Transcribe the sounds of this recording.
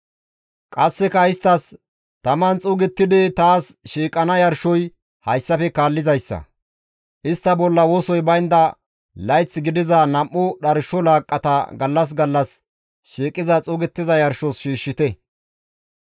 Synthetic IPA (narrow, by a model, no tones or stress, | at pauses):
kʼɐsːɛkɐɪst̪ːɐs | t̪ɐmɐnt͡sʼʊɡɛt̪ːɪd̪ɛt̪aːsʃiːkʼːɐnɐjɐɾʃɔj | hɐjsːɐfɛkaːlːɪzɐjsːɐ̰ | ʔɪst̪ːɐbɔlːɐwɔːsɔjbɐjnd̪ɐ | lɐjt͡sːɡɪd̪ɪzɐnɐmʔːʊɗɐɾʃɔlaːkʼːɐt̪ɐɡɐlːɐs̬ɡɐlːɐs | ʃiːkʼːɪzɐt͡sʼʊːɡɛt̪ːɪzɐjɐɾʃɔsʃiːʃːɪt̪ɛ